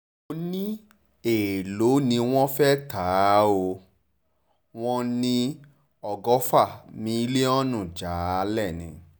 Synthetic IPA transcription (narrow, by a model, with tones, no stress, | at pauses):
o˧nĩ˦ | e˨lo˨˦nĩ˧w̃ɔ̃˦fɛ˦taː˨˦o˧ | w̃ɔ̃˦nĩ˧ | ɔ˨ɡɔ˨˦fa˦˨mĩ˧˦li˦ɔ˦nũ˦˨d͡ʒa˨˦lɛ˦˨nĩ˨